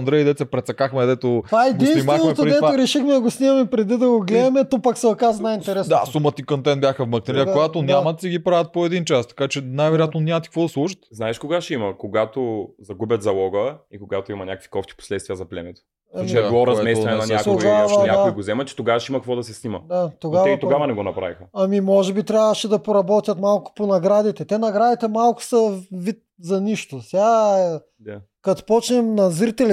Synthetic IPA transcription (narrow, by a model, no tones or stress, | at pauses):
ɐnd̪ɾɛjid̪ɛt̪sɛpɾɛt̪sɐkaxmɛd̪ɛt̪ot̪aɛd̪inimamɛɛpt̪ɾd̪ɛvaɾɛʃixmɛd̪ɐɡosnimɐmɛpɾɛd̪id̪ɐɡoɡlɛmɛt̪ɔpɐksɛɐkaznajint̪ɛɾɛsd̪asumət̪ikɐnt̪ɛnbʲjaxɐvmɐknɐɾijəkoɡat̪onʲamɐt̪siɡipɾavɐt̪̚poɛd̪int͡ʃast̪ɐ̥kat͡ʃɛnajvɛɾʲiat̪nonʲamɐt̪ikvɔd̪ɐslˠuʃə̥t̪znaɛʃkoɡaʃimɐkoɡat̪ozɐɡubʲət̪zɐlˠɔɡəikoɡat̪oimɐnʲakəkvi̥kɔft̪i̥po̥slɛt̪st̪vijəzɐplʲɛmɛt̪o̥ | ɐmt͡ʃɛd̪lˠɔɾɐzmɛsɛnɛnɐnʲakt̪oɡavɐnʲakaoiɡozɛmɐt͡ʃɛ̥t̪oɡavɐʃimɐkɐkvɔd̪ɐsɛsnimɐ̰d̪at̪oɡavɛt̪oɡavɐnɛɡonɐpɾa̰vixɐɐmimɔʒɛbit̪ɾʲavəʃɛd̪ɐpoɾɐbɔt̪ʲjɐt̪malˠkʊ̥ponɐɡɾad̪it̪ɛt̪ɛnɐɡɾad̪it̪ɛmalˠkʊ̥sɐvit̪̚ | zɐniʃt̪osʲa | kɐt̪pɔt͡ʃnɛmnɐzɾit̪ɛl